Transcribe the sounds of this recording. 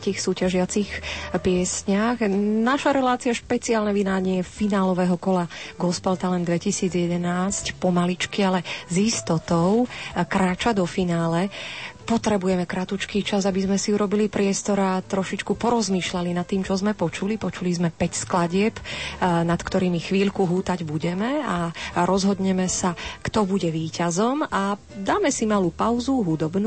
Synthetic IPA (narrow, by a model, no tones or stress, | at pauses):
t̪iːxsuːcaʒɪat͡sixpɪɛsɲaɣnaʃaɾɛlaːt͡siaʃpɛt͡siaːlnɛʋinaːɲɛɛfinaːlɔʋɛɦɔkɔlaɡɔspalt̪alɛnd̪ʋɛcisiːd͡zjɛd̪ɛnaːscpɔmalit͡ʃkialɛzist̪ɔt̪ɔʊkɾaːt͡ʃad̪ɔfinaːlɛpɔt̪ɾɛbujɛmɛkɾat̪ut͡ʃkiːt͡ʃazabizmɛsiuɾɔbilipɾɪɛst̪ɔɾat̪ɾɔʃit͡ʃkupɔɾɔzmiːʃlalinat̪ːiːmt͡ʃɔzmɛpɔt͡ʃulipɔt͡ʃulizmɛpɛcsklaɟɪɛpnat̪kt̪ɔɾiːmixʋiːʎkuɦuːt̪aɟbuɟɛmɛaɾɔzɦɔd̪ɲɛmɛsakt̪ɔbuɟɛʋiːcazɔma | d̪aːmɛsimalupaʊzuɦud̪ɔbnu